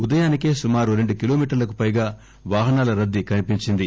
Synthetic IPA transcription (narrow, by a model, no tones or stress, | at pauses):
ud̪ɐjaːnike̞ːsumaːɾuɾe̞ɳɖukilo̞ːmiːʈɐɾlɐk̬upɐjɡaː | ʋaːɦɐnaːlɐɾɐd̪ːikɐnipiɲt͡ʃind̪i